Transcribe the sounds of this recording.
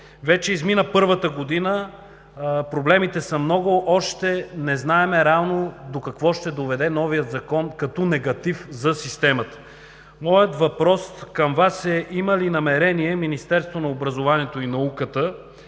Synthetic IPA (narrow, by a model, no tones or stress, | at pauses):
vɛt͡ʃɛizminəpɤɾvət̪əɡod̪inə | pɾoblɛmit̪ɛsəmnɔɡʊʔɔʃt̪ɛnɛznaɛmɛɾɛavnod̪okɐkvɔʃt̪ɛd̪ovɛd̪ɛnɔvijət̪zɐkɔnkɐt̪ɔnɛɡɐt̪ifzɐsist̪ɛmət̪ə̥ | mɔjət̪vɐpɾɔskɐmvasɛʔiməlinɐmɛɾɛniɛminist̪ɛɾst̪vonɐobɾɐzovaniɛt̪oinɐukət̪ə